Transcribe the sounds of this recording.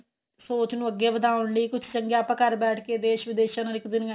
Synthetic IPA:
soːt͡ʃnũːəɡːeːbəd̪aːʊnləiːkʊt͡ʃʰt͡ʃəŋɡeaːpãːkəɾbɛːʈʰkeːd̪eːʃʋɪd̪eːʃãːnəɾɪkd̪ɪn

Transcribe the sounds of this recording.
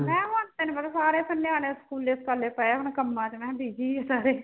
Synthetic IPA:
mɛ̃ːɦãnt̪eːnẽːbət̪ːsaːɾeːpʰənːeːaːneːskuːleskalːeːpɛːaːɦʊnkəmːãːt̪emɛ̃ːbiːd͡ʒiːeːsaːɾeː

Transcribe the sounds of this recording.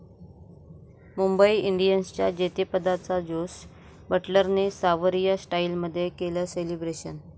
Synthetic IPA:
mumbəiiɳɖijənst͡ɕja̰d͡ʑet̪epəd̪at͡sad͡zos | bəʈləɾnesaʋəɾijasʈailməd̪ʱːjekeləːselibɾeɕən

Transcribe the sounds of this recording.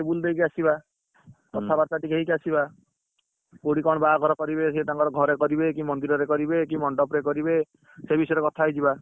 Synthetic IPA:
ebuld̪ejkiasiba | k̪ɔt̪ʰabaɾt̪aʈikeɦikasiba | koɽikɔɽ̃ɔbaɡɔɾɔkɔɾibeset̪aŋkɔɾɔɡʱɔɾekɔɾibekimɔnd̪iɾɔɾekɔɾibekimɔɳɖɔpɾekɔɾibe | sebisɔeɾekɔt̪ʰaijd͡ʒiba

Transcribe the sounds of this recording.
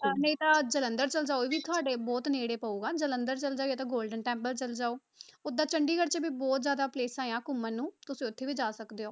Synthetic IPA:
nəĩːt̪ãːd͡ʒələnd̪əɾt͡ʃəld͡ʒaːoʋiːt̪ʰʊaːɖeːbɔːt̪neːɽeːpəuːɡãːd͡ʒələnd̪əɾt͡ʃəld͡ʒaːoaːt̪ãːɡoːlɖənʈɛːmpəlt͡ʃəld͡ʒaːoː | ʊd̪aːt͡ʃəɳɖiːɡəɽt͡ʃəbiːbɔːt̪zjaːd̪aːpleːsaːejãːkʊmənːũːt̪ʊsĩːʊt̪ʰːeːʋiːd͡ʒaːsəkd̪eːoː

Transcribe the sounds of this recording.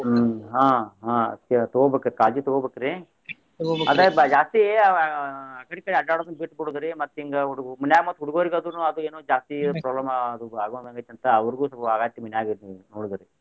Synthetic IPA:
ɦãːɦãːɐ̰t̪jɐt̪oɡobekɐɾkaːd͡ʒit̪ɔɡobekɐɾe | ɐd̪ebd͡ʒaːst̪ie | ɐkɐɽikɐɽiɐɖaːɽɐd̪ɐnbiʈbuɽud̪ɐɾemɐt̪ːiŋɡɐɐɽuɡuminjaːɡimɐt̪ːuɦuɽuɡoːɾiɡɐd̪unuɐd̪ueːnoːd͡ʒaːst̪ipɾaːblɐmɐd̪uaːɡond̪ɐŋɡat̪ːɐnt̪ɐɐʋɐɾɡuːsɐlaːɡaːit̪ːiminjaːɡinoːɽd̪ɐɾe

